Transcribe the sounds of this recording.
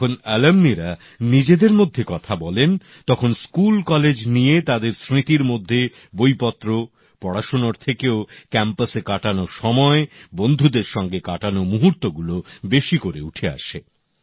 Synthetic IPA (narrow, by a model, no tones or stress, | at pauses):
onɛlemniɾa | nid͡ʑed̪eɾmod̪ʱːekɔt̪ʰabɔlen | t̪ɔkʰonskulkɔled͡ʑnijet̪ad̪eɾsɾit̪iɾmod̪ʱːe | bojpɔt̪ːɾo | pɔɽaʃonoɾt̪ʰekeokɛmpasekaʈanoʃɔmɔebond̪ʱud̪eɾʃɔŋɡekaʈanomuɦuɾt̪oɡulobeʃikoɾeuʈʰea̰ʃe